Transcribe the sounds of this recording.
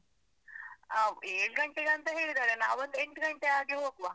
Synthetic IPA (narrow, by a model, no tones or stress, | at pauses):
aeːɽɡɐɳʈeɡɐnt̪ɐɦeːɭd̪aɾenaːʋɐnd̪eɳʈɡɐɳʈeaːɡeɦoːkʋa